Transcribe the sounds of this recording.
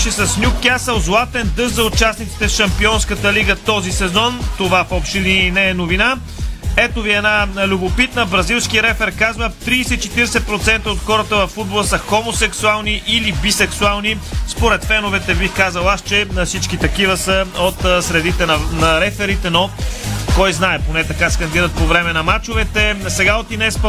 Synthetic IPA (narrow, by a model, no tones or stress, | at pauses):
ʃɛsɐsnʲukːjasəlˠzlˠat̪ɛnd̪ɤʃzɐʊt͡ʃasnit̪si̥t̪ɛsʃɐmpiɔnskət̪əliɡət̪ɔzisɛzɔnt̪ovafɔpʃt̪ininɛːnovina | ɛt̪oviɛnalʲubopit̪nəbɾɐzilˠskiɾɛfɛɾkazvət̪ɾiːsɛit͡ʃɛt̪iɾɛsɛpɾot̪sɛnt̪əot̪xɔɾət̪əvɐfːud̪bolˠəsəxomosɛksualˠniʔilibisɛksualˠnispoɾɛt̪fɛnovɛt̪ɛbixkazəlˠast͡ʃɛfsit͡ʃk̟it̪ɐkivəsəot̪sɾɛd̪it̪ɛnɐnɐɾɛfɛɾit̪ɛnokɔjznaɛponɛt̪ɐkaskɐnd̪iɾət̪̚povɾɛmɛnɐmat͡ʃovɛt̪ɛsɛɡaot̪inɛspə